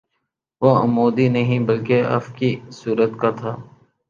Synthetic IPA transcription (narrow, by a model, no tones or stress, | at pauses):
ʋoə̰moːd̪inəɦĩbəlkeə̰fkisuːɾət̪kat̪ʰaː